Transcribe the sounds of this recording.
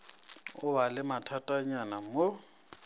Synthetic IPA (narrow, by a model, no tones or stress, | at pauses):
ʊbalɪmatʰatʼaɲanammo